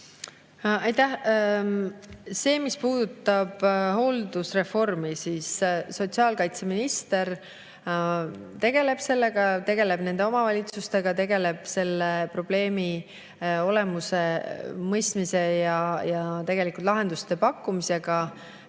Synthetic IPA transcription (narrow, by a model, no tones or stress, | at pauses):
ɑjt̪æh | se̞ːmispuːd̪̥ut̪ːˑɑb̥ɦo̞ld̪usre̞fo̞rmisiːsso̞t̪siɑːlkɑjt̪se̞minist̪e̞r | t̪e̞ɡ̥e̞le̞b̥se̞lːe̞ɡ̥ɑt̪e̞ɡe̞le̞bne̞nd̪eo̞mɑvɑlʲit̪sust̪e̞ɡ̥ɑt̪e̞ɡe̞le̞b̥se̞lːepro̞b̥le̞ːmi | o̞le̞muse̞mɤjst̪mise̞jɑjɑt̪e̞ɡ̥e̞likˑult̪lɑɦe̞nd̪ust̪e̞pɑkːˑumise̞ɡ̥ɑ